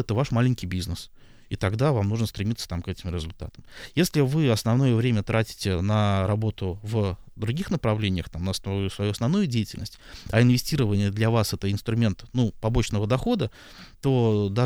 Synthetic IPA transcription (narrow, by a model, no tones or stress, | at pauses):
ɛt̪əvaʂmalʲɪnʲkʲɪjbʲiznəs | it̪ɐɡd̪avamnuʐnəst̪ɾʲɪmit̪sːə̥t̪amkɛtʲɪmɾʲɪzʊlʲt̪a̰t̪əmjesʲlʲɪvɨɐsnɐvno̞jəvɾʲemʲət̪ɾatʲɪ̥tʲɪnəɾɐbo̞t̪ʊvd̪ɾʊɡʲixnəpɾɐvlʲenʲɪjəxt̪amnəssvɐjuɐsnɐvnujʊdʲejɪtʲɪlʲnəsʲtʲɐɪnvʲɪsʲtʲiɾəvənʲɪjəd̪lʲɐvasɛt̪əɪnst̪ɾʊmʲe̞nt̪nupɐbo̞t͡ɕnəvəd̪ɐxo̞d̪ə | t̪o̞d̪a